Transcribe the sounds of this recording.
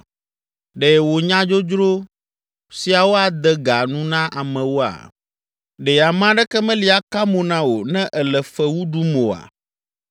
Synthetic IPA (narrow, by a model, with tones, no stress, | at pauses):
ɖɛ˨wo˨ɲã˦d͡ʒo˦d͡ʒɾo˦ | si˨a˨wo˦a˨d̪ɛ˦ɡa˨nũ˦nã˦ʔa˨mɛ̃˨wo˦a̰˨ | ɖɛ˨a˨mã˦ɖɛ˦kɛ˦mɛ̃˦li˨˦a˨ka˦mõ˨nã˦wo˨nɛ̃˦ʔɛ˨lɛ˨fɛ˦wu˦ɖu˦mõ˨a̰˨